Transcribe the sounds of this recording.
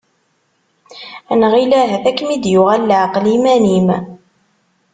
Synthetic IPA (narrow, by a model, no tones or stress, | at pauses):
ænʁilæɦæθækːmid̪jʊʁælːaqlimænim